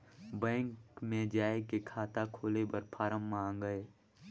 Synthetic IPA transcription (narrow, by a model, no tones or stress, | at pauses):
bɛ̃ːŋkmẽd͡ʒaːekekʰaːt̪akʰoːlebəɾpʰaːɾəmːãːŋɡəeː